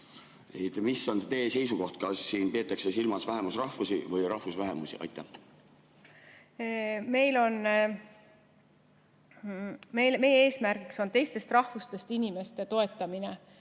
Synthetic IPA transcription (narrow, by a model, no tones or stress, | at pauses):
ejt̪misːo̞nt̪e̞ːsejsuko̞ht̪̚kɑsːiːnpe̞ːt̪ːˑɑksesilmɑsvæɦe̞musrɑhvusivɯjɾɑhvusvæɦe̞musḭɑ̰jt̪ːˑæ | me̞jlo̞n | mejlme̞jeeːsmærɡikso̞nt̪e̞jst̪e̞st̪rɑhvust̪e̞st̪inʲime̞st̪e̞t̪o̞e̞t̪ːˑɑmine